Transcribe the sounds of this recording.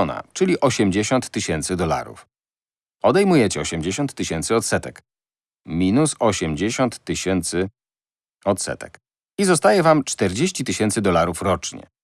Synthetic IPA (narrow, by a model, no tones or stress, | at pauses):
ɔna̰t͡ʂɘlʲiʔɔɕɛmd͡ʑeɕɔnt̪ːɘɕɛnt̪sɘd̪ɔla̰ɾṵf | ɔd̪ɛjmujɛt͡ɕɛɔɕɛmd͡ʑeɕɔnt̪ːɘɕɛnt̪sɨɔt̪sɛt̪ɛk | mʲinusɔɕɛmd͡ʑeɕɔnt̪ːɘɕɛnt̪sɘ | ɔt̪sɛ̰t̪ɛ̰k | izɔst̪ajɛvamt͡ʂt̪ɛɾd͡ʑeɕt͡ɕit̪ɘɕɛnt̪sɘd̪ɔlaɾufɾɔt͡ʂɲɛ̰